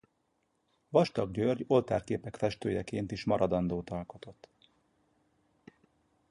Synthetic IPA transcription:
vɒʃt̪ɒɡɟørɟo̞lt̪aːrkeːpɛkfɛʃt̪øːjɛkeːnt̪iʃmɒɾɒd̪ɒnd̪oːt̪ɒlko̞t̪o̞t̪ː

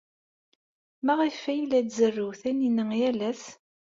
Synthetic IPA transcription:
mæʁifːæjlːæd̪zərːuwθæninəjælæs

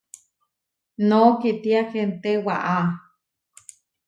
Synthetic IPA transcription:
nokit̪iakent̪ewa̰ʔa

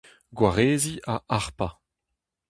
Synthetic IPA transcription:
ɡwaʁeːziʔaʔaʁpa

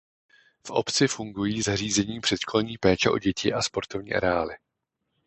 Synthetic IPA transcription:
fʔo̞̰pt͡sɪfuŋɡujiːzar̝iːzɛɲiːpr̥ɛt̪ʃko̞lɲiːpɛːt͡ʃɛʔo̞̰ɟɛcɪʔaspo̞ɾt̪ovɲḭːʔa̰ɾɛaːlɪ

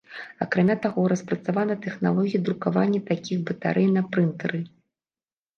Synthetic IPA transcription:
akɾamʲat̪aɣɔɾɐspɾɐt̪savanɐt̪ɛxna̰lˠɔɣʲijɐd̪ɾukavanʲːɛt̪akʲixbɐt̪a̰ɾɛjnɐpɾɨnt̪ɐɾɨ

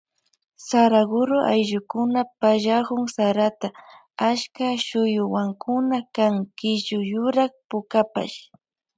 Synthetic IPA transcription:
saɾaɡʊɾʊʔa̰jʎʊkʊnapaʒahʊŋsaɾat̪a | aʃkaʃʊjʊwaŋkʰʊnakaŋkɪʒʊjʊɾaχpʊkapa̰ʃ

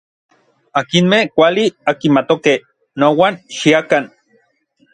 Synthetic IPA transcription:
akinmehkʷaliakimat̪okeh | nowanʃiakan

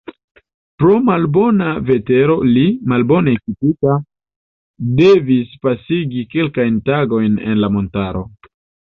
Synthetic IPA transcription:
pɾo̞malbo̞nave̞te̞ɾo̞limalbo̞nekitika | de̞vispasiɡike̞lkajntaɡo̞jne̞̰nlamo̞ntaɾo̞

